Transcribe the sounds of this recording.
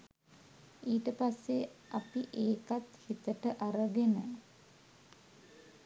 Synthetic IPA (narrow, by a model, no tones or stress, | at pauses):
iːʈəpasːeʔapiʔeːkat̪hit̪əʈəʔaɾəɡenə